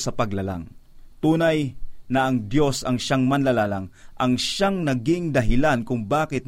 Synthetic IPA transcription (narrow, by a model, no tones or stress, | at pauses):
sɐpɐɡlɐla̰ŋ | t̪uːnajnɐʔɐŋd̪jo̞sɐŋʃaŋmɐnlɐlaːlaŋʔɐŋʃaŋnɐɡɪŋd̪ɐɦɪlankʊŋbaːkɪt̪̚n